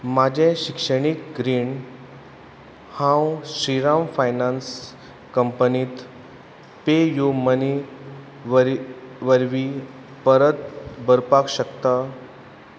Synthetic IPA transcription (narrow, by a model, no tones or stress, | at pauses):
mad͡ʑʱẽɕikʂəɽ̃ikɡɾiːn | hãwɕɾiɾamfajnans | kəmpəniːt̪ | pejuməni | ʋəɾʋəɾʋi | pəɾət̪̚bəɾpakɕəkt̪a